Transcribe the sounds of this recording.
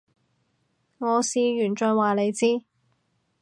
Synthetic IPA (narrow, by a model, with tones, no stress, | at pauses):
ŋɔː˨˧siː˨˧ɥyː˨˩nt͡ʃœ˨˧nwaː˨le˨˧jt͡siː˥